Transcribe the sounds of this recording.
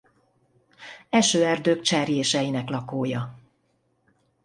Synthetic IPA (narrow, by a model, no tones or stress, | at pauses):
ɛʃøːɛrd̪øːkt͡ʃɛːɾjeːʃɛjinɛklɒkoːjɒ